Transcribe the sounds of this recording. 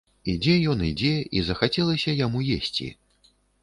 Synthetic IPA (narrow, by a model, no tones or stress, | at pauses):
id͡zʲɛjɔnid͡zʲɛḭzɐxat͡sʲɛlˠɐsʲɐjamujesʲt͡sʲḭ